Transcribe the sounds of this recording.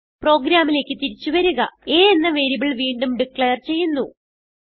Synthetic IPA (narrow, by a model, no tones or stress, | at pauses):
pro̞ːɡɾaːmile̞ːkʲːɨt̪iɾit͡ɕːuʋɐɾuɣɐe̞ːenːɐʋeɾibiɭʋiːɳɖumɖikɭejɐrt͡ɕe̞jːunːu